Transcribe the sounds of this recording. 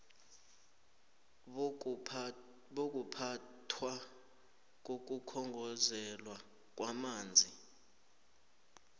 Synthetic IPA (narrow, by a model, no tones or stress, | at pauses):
ɓok̬ʼupʰatʰwa | k̬ok̬ʼukʰɔŋɡʱɔzɛlwa | k̬ʼwamaːnd͡zʱi